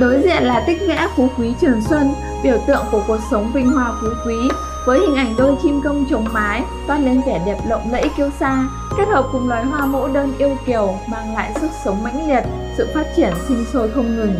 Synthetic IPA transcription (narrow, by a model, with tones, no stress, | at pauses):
ɗo˨˦jzḭ˧˨ənlaː˨˩t̪ï˦˥k̟̚ŋɛ̰˧˥fu˨˦kwi˨˦t͡ɕɨ˨˩ənswə˧n | ɓi˧˩əwt̪ɨ̰˧˨əŋku˧˩əku˨˩ək̚sə˨˦wŋ͡mvï˧ŋ̟hwaː˧fu˨˦kwi˨˦ | vəː˨˦jhï˨˩ŋ̟ʔa˧˩jŋ̟ɗo˧t͡ɕi˧mkə˧wŋ͡mt͡ɕə˨˦wŋ͡mmaː˨˦j | t̪waː˧le˧nk̪ɛ˧˩ɗɛ˨˩p̚lə̰˧˨wŋ͡mlə̰ː˧˥jki˧əwsaː˧ | kɛ˦˥t̚həː˨˩p̚kʊ˨˩ŋ͡mlwaː˨˩jɦwaː˧mo̰˧˥ɗəː˧nʔi˧əwki˨˩əwmaː˨˧˩ŋla̰ː˧˨jsə˦˥k̚sə˨˦wŋ͡mma̰˧˥jŋ̟li˨˩ət̚ | sɨ̰˧˨faː˦˥t̚t͡ɕi˧˩ənsi˧ŋso˧t̪ʰə˧wŋ͡mŋɨ˨˩ŋ